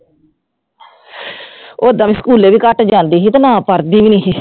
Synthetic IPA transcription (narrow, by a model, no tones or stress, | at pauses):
oːd̪ãːmĩːskuːleːʋiːkəʈd͡ʒãːnd̪iːɦiːt̪anãːpəɾd̪iːʋiːnĩːɦiː